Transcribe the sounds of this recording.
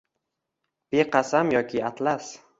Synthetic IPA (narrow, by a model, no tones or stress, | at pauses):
b̥eqʰɑsamjɒkʲʰɪat̪las